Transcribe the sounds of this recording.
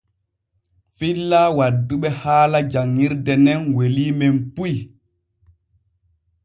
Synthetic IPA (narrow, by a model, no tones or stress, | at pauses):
filːaːwadːuɓɛhaːlad͡ʒaŋːiɾdɛnɛnwelimɛmpuj